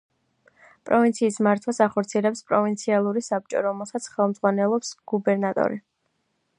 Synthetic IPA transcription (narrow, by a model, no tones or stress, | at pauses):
pʼɾɔvint̪sʰiːsmaɾt̪ʰwasaχɔɾt̪sʰiɛlɛpspʼɾɔvint̪sʰialˠuɾisap̚t͡ʃʼɔ̰ɾɔmɛlˠsat̪sʰχɛlˠmdz̥ʁwanɛlˠɔpsɡ̥ubɛɾnat̪ʼɔ̰ɾi